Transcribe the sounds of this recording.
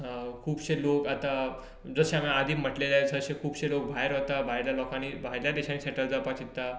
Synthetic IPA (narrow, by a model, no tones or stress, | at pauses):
kʰuːbɕelokat̪a | d͡zəɕeamiad̪ʱiːm̤əʈlelasəɕekʰuːbɕelok̚bʱaɦeɾɦot̪abʱaɦjljalɔkãnibʱaɦiɾljad̪eɕãniːseʈəld͡zapat͡ɕit̪ːa